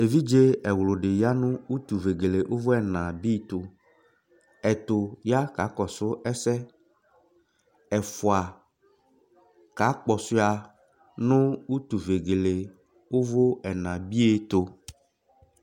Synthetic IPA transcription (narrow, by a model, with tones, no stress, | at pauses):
e˨vi˦d͡ʒe˦ɛ˨wlo˨ɖe˨ja˦nʊ̃˦u˦t̪u˨ve˨ɡe˨le˨ʔo˦vo˦ɛ˨nã˨bi˦t̪o˨ | ɛ˨t̪o˨ja˦ka˨˦kɔ˨sʊ˦ɛ˦sɛ˦ | ɛ˨fo˨a˨ | ka˨˦k͡pɔ˨sʊ˦a˨ | nʊ̃˦u˦t̪u˨ve˨ɡe˨le˨ | wo˦vo˦ɛ˨nã˨bi˦e˦t̪o˨